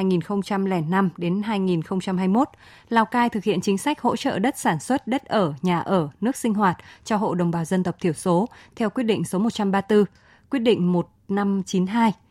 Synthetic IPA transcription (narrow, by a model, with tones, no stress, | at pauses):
jŋi˨˩nxə˧wŋ͡mt͡ɕa˧mlɛ˧˩na˧mɗe˨˦nɦaː˧jŋi˨˩nxə˧wŋ͡mt͡ɕa˧mɦaː˧jmo˦˥t̚ | laː˨˧˩wkaː˧jt̪ʰɨ˨˩k̚hḭ˧˨ənt͡ɕï˨˦ŋ̟sa˦˥jk̟̚ho̰˧˥t͡ɕə̰ː˧˨ɗə˦˥t̚saː˧˩nswə˦˥t̚ɗə˦˥t̚ʔəː˧˩ɲaː˨˩ʔəː˧˩nɨ˦˥ək̚sï˧ŋ̟ɦwaː˨˩t̚t͡ɕɔ˧ɦo̰˧˨ɗə˨˩wŋ͡mɓaː˨˩wzə˧nt̪ə˨˩k͡p̚t̪ʰi˧˩əwso˨˦t̪ʰɛ˧wkwi˦˥ət̚ɗḭ̈˧˨ŋ̟so˨˦m˨˩t̚t͡ɕa˧mɓaː˧t̪ɨ˧ | kwi˦˥ət̚ɗḭ̈˧˨ŋ̟mo˨˩t̚na˧mt͡ɕi˨˦nɦaː˧j